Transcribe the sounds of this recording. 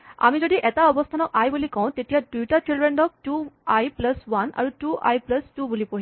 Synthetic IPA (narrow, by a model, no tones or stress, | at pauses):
a̰mid͡zod̪iʔet̪aɔbɔst̪ʰanɔkajbulikɔ̃w̃t̪et̪ijadujʈaʈilɾeɳɖɔk̚ʈuajpləsʋana̰ɾuʈuʔa̰jpləsʈubulipoɦi